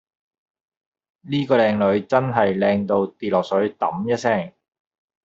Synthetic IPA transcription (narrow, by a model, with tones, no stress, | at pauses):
niː˥kɔː˧lɛː˧ŋlɵ˨˧ɥt͡sɐ˥nɦɐ˨jlɛː˧ŋt̪o˧wt̪iː˨˩lɔː˨k̚sɵ˨˥ɥt̪ɐ˨˥mjɐ˥t̚sɛː˥˩ŋ